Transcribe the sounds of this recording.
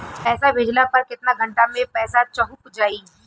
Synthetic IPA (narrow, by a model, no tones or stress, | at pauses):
pɛːsabʱeːd͡ʒlapɐɾkɪt̪naɡʱɐ̃ɳʈamẽpɛːsat͡ʃɐɦupd͡ʒaːiː